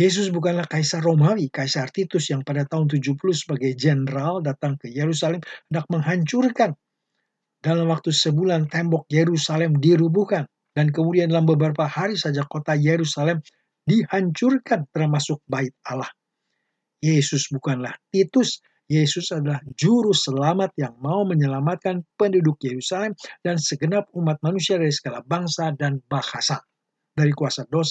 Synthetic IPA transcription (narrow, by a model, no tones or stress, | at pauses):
jes̬ʊsbukanlahkajsaromawikaisart̪it̪ʊsjaŋpadat̪aɦʊnt̪̬ud͡ʒupulʊsəbaɡajd͡ʒɛnɾaldat̪aŋkəjeɾusalɛmhəndak̚məŋɦaɲt͡ʃurkan | dalamwak̚t̪usəbulant̪ɛmbɔk̚jeɾusalɛmdiɾubukan | dank̬əmudiandalambəbəɾapahaɾisad͡ʒakot̪ajeɾusalɛm | dihaɲt͡ʃʊrkant̪ərmasʊk̚baɪt̪̚alah | jesʊsbukanlaht̪it̪ʊs | jesʊsadalahd͡ʒuɾusəlamat̪̚jaŋmauməɲəlamat̪̚kanpəndudʊk̚jeɾusalɛmdansəɡənap̚umat̪̚manusiadaɾisə̥ɡalahbaŋsadanbahasa | daɾikuasados